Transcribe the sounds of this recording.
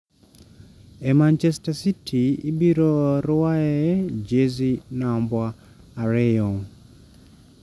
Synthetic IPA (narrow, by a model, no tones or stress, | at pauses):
emant͡ʃɛstasitʰiḭbiɾoɾaɛd͡ʒezinambwaː | ɾɛjɔŋ